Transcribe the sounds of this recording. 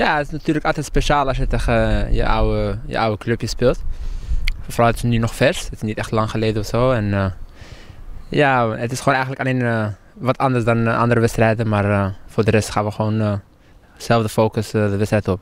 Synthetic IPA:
jaətɪsnatyːrləkɑlˠtɛtspeʃaːlɑsjətɛxəjə̰ʔɐwəjə̰ʔawəkløpjəspeːlˠt | fəfrɑlətɪ̥snynɔχfɛrsətɪ̥snitɛχtlɑŋχəleːdəɔfsoːɛnə | jaətɪsχoːnɛjxəntləkɑnenə | vɔtʰɑndərsdanʔɑ̰ndəɾəʋɛtstrɛjdəmarəfoːrdərɛstχaːnʋəχəoːnə | sɛlˠfdəfoːkəsədəʋɛtstrɛjtəɔp̚

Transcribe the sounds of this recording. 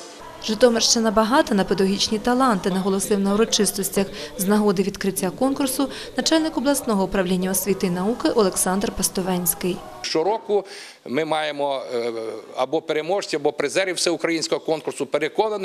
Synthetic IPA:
ʒɪt̪ɔmeʃt͡ʃɪnɐbɐɦɑt̪ɐnɐped̪ɐɔɦʲit͡ʃnʲit̪ɐlˠɑnt̪ɪnɐɦɔlˠɔsɪwnɐʊɾɔt͡ʃɪst̪ɔsʲtʲɐxznɐɦɔd̪ɪʋʲid̪kɾɪtʲːakɔnkʊrsʊ | nɐt͡ʃɑlʲnɪkɔblˠɐsnɔɦɔupɾɐwlʲinʲːɐɔsʲʋʲit̪ɪinɐukɪʔɔlˠeksɑnd̪rpɐst̪ɔʋɛnʲsʲkɪj | ʃt͡ʃɔɾɔkʊ | mɪmɑjemɔ | ɐbɔpeɾemɔʒtʲiɐbɔpɾɪzɛɾʲiwsɛʊkɾɐjinʲsʲkɔɦɔkɔnkʊrsʊpeɾekɔnɐnɪ

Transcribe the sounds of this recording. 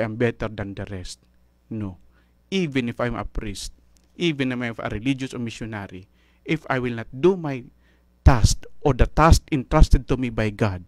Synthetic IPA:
jʔãmbɛt̪ɛɾd̪and̪ɐɾɛst̪̚ | no | ʔivɪ̃nɪfajmʔɐ̰pɾist̪̚ | ʔivɪ̃namafɐ̰ɾɛlid͡ʒʊsomisjonaɾi | ʔɪfa̰jwɪlnat̪̚d̪umaj | t̪ast̪ʔɔɾd̪ɐt̪ast̪ɪ̃nt̪ɾast̪ɛd̪̚t̪umibajɡad̪̚

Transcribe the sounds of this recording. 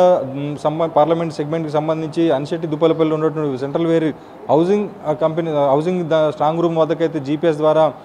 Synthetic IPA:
ɐsɐmpaːɾlɐmeɳʈseɡme̞ɳʈkis̬ɐmbɐnd̪ʱiɲt͡ʃiɐniʃɐʈːid̪upːɐlɐp̬ɐlːuɳɖɐʈːuseɳʈɾɐlʋeːɾi | ɦɐwziŋɡkɐmpeniɦɐwsiŋɡd̪sʈɾaːŋɡɾuːmʋɐd̪ɐkɐjt̪eːd͡ʒipies̬d̪ʋaːɾaː

